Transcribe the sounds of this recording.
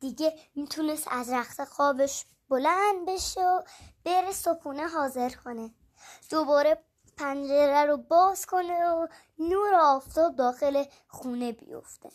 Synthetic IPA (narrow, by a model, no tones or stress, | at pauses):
d̪̥iɟemiːt̪ʰunest̪æzɾæxsexɒːbeʃ | b̥olænd̪̚be̞ʃeob̥eɾesokʰuːneɦɒːze̞ɾkʰo̞ne | d̪̥obɒːɾe | pʰænd͡ʒeɾæɾobɒːz̥kʰo̞neo | nuːɾoɒːft̪ʰɒːb̚d̪ɒːxele | xuːnebḭjo̰ft̪ʰḛ